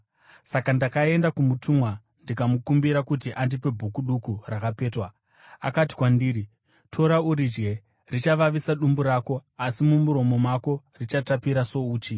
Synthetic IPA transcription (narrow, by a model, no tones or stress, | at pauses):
sakandakae̞ndakumutʰuːmwa | ndikamukumbiɾakutiʔandipe̞bʱukuɗukurakape̞ːtwa | a̰kati̥kwandiːɾi | tʰo̞ɾauɾid͡ʒɡe̞ | rit͡ʃaʋaʋisaɗumbuɾaːko̞asimumuɾo̞mo̞mako̞ | rit͡ʃatapiɾaso̞uːt͡ʃi